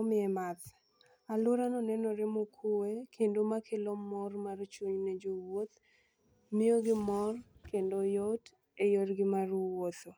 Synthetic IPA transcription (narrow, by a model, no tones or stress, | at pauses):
mɪɛmat̪ | alʊɾanɔnɛnoɾemokʰowekʰendomakʰɪlomɔrmart͡ʃwoɲnɛd͡ʒowot̪ | mɪoɡɪmɔrkendojot | ejorɡɪmarwot̪o